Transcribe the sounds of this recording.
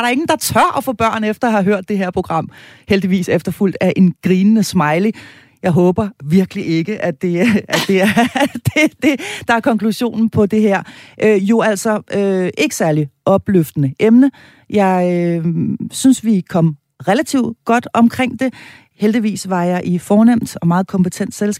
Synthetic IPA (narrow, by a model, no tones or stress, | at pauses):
ɑɐɾ̥ɑ̈e̝ŋn̩d̥ɑ̈t͡sʰɶɐ̰ʔɒfɔb̥ɶɐ̰nefd̥ɐɑhɑ̈ɦøɐ̰d̥ːe̝ɦeɐ̰pʰo̝ɡ̥ʁɑ̈m̰held̥iʋḭːsefd̥ɐful̰d̥æʔe̝nɡ̥ʁiːnənəsmɑ̈ɪli | jɑ̈ɪɦɔ̽ːb̥ɐʋiɐɡ̥əliʔe̝ɡ̥əʔæd̥e̝æ̥d̥e̝æɐd̥ed̥e̝d̥ɑ̈æɐkʰɒ̽ŋkʰluɕo̝̰ːnn̩pʰɒ̽d̥e̝ɦeɐ̰ʔøjo̝æl̰sɒʔøʔe̝ɡ̥ə̥sæɐliʔɒ̽b̥løfd̥ənəʔemnə | jɑ̈ɪø | synsʋikʰɒ̽m̰ | ʁelæt͡sʰiʊ̰d̥ɡ̥ɒ̽d̥ɒ̽mkʰʁeŋ̰d̥e̝ | held̥iʋḭːsʋɑ̈jɑ̈ɪʔifɒːnem̰d̥ɒ̽mɑ̈ːð̞̩ˠkʰɒ̽mpet͡sʰen̰d̥sel